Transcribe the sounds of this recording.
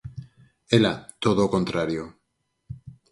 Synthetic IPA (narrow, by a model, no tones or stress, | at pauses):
elat̪oðokont̪ɾaɾjo